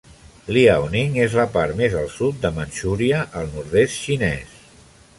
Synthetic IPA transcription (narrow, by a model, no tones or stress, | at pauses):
liawniŋezləpaɾmezəlˠsut̪̚d̪əmənʃuɾiəʔːlˠnuɾðest̪ʃinɛs